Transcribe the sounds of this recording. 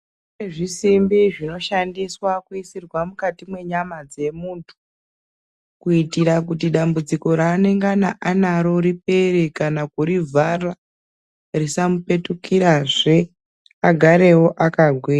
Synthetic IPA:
eʐisimbiʐino̞ʃandiswakuisirwamukatimwe̞ɲamad͡ze̞muːntʰu̥ | kuitiɾakut̬iɗambud͡ziko̞ɾaːne̞ŋɡanaʔanaɾo̞ɾip̚eɾekanakuɾivʱara | risamupe̞tukiɾaʐe̞ | aɡʱaɾe̞wo̞ʔakaɡʱwiːra

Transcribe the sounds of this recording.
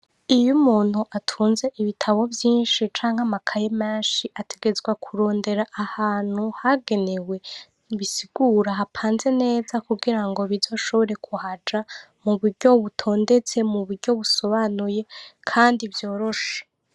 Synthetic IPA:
ijumuːn̥huʔatʰuːnze̞ʔiβitʰaβo̞vjiːnʃit͡ʃaːŋhamakʰajemaːʃiʔatʰe̞ɡe̞zɡwakʰuɾo̞ːnde̞ɾaʔːhaːn̥huhaɡe̞ne̞we̞ | βisiɡ̥uɾaɦapʰaːnze̞ne̞ːzakuɡiɾaŋɡo̞βizo̞ʃo̞βo̞ɾe̞kʰuhad͡ʒa | muβuɾɟo̞βutʰo̞ːnde̞t͡se̞muβuɾɟo̞βuso̞βanuje̞kʰaːndivjo̞ːɾo̞ʃe̥

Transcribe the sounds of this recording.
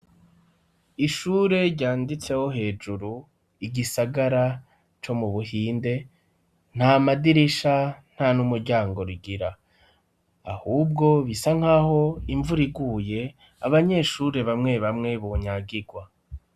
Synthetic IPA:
iʃuːɾe̞ɟaːndit͡se̞ho̞ɦe̞ːd͡ʒuɾu | iɟisaɡaɾa | t͡ʃo̞muβuhiːnde̞ | n̥hamadiɾiʃan̥hanumuɾɟaːŋɡo̞ɾiɡiɾa | ahuːb̚ɡo̞βisaŋ̥haːho̞iɱvuɾiɡuːje̞ | aβaɲe̞ʃuːɾe̞βamŋe̞βamŋe̞βoɲaɡiɡwa

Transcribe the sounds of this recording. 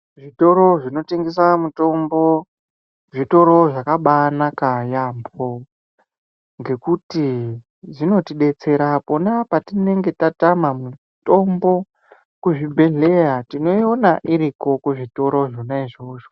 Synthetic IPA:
ʐito̞ɾo̞ʐino̞teŋɡes̬amuto̞mbo̞ | ʐito̞ɾo̞ʐakaɓanakajaːmbo̞ | ŋɡe̞kuti | ʐino̞tiɗe̞t͡se̞ɾapo̞napatine̞ŋɡe̞tatamamu | to̞mbo̞ | kuʐibʱe̞ɮe̞jatino̞ionaʔiɾiko̞kuʐito̞ɾo̞ʐonaiʐo̞ːʐo

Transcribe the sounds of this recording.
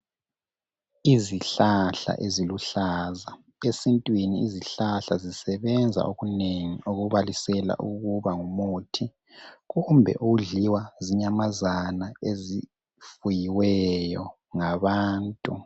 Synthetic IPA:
iziɬaɬa̰ʔeziluɬaːza | esintʼwiniːziɬaɬazisɛβɛnd͡zʱa̰ʔoɣuneŋioɣuβalisɛla̰ʔuɣuβaŋumoːtʰi | ɣumbʱɛ̰ʔuɣuɮiwaziɲamazanaezi | fujiwɛjɔ | ŋaβaːntʼu

